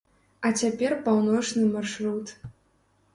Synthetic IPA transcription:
ɐt͡sʲapʲɛrpawnɔt͡ʂnɨmarʂrut̪

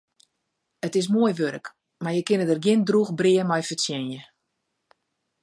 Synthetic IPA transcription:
ətɪs̬muəjʋøɾək | marjəkɪnədərɡjɪndruxbriəmɔjfəsjɛnjə

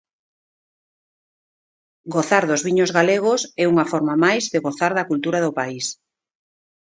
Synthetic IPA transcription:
ɡoθaɾðozβiɲozɣaleɣ̞osɛuŋafɔɾmamajzðeɣoθaɾðɐkult̪uɾaðʊpais

